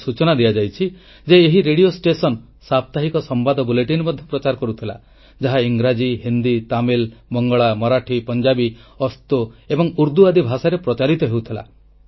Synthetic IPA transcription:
sut͡ʃɔnad̪ijad͡ʒajt͡ʃʰi | d͡ʒeːɦiɾeɽiosʈesɔn | sap̚t̪aɦikɔsɔmbad̪ɔbuleʈinbɔd̪ʱjɔpɾɔt͡ʃaɾɔkɔɾut̪ʰila̰ | d͡ʒaɦaiŋɡɾad͡ʒiɦind̪it̪amilbɔŋɡɔɭamɔɾaʈʰipɔnd͡ʒabiɔst̪oebɔŋuɾd̪uad̪ibʱasaɾepɾɔt͡ʃaɾit̪ɔɦewut̪ʰila̰

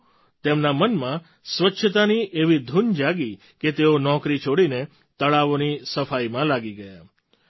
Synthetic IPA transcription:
t̪emnamənmã | sʋətːʃʰət̪̬aniʔeʋid̪ʱund͡ʒaɡi | ket̪eonɔkɾit͡ʃʰoɽine | t̪əɭaʋonisəfaimãlaɡiɡəja

